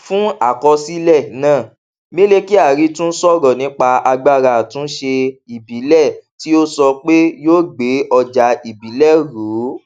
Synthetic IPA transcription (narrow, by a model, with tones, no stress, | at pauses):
fũ˦a˦˨kɔ˧si˦lɛ˦˨nãː˦˨ | mĩ˦le˦ki˦a˦˨ɾi˨˦tũ˦n̩˦sɔ˦ɾɔ˨nĩ˨˦k͡pa˧a˧ɡ͡ba˦˨ɾa˧˨tũ˦ʃe˧i˨bi˨˦lɛ˦˨ti˦o˦sɔ˧k͡pe˦joː˦ɡ͡be˨˦ʔɔ˧d͡ʒa˧i˨bi˨˦lɛ˦˨ɾu˨˦